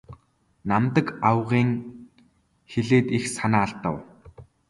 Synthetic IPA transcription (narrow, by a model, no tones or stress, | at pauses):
namt̪ə̆kawʁiːŋ | xeɮeːt̪ixsanaːɬt̪ə̆w